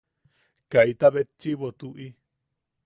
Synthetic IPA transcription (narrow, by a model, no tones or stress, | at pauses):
kait̪aβet͡ʃːiβot̪uʔi